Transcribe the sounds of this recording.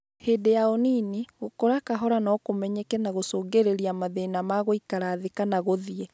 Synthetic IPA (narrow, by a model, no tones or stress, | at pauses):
hedejaoniniɣokoɾakaɦɔɾanɔkomɛɲɛkɛnaɣosoːŋɡeɾeɾiamaðenamaɣoikaɾaːðekanaɣoðiɛ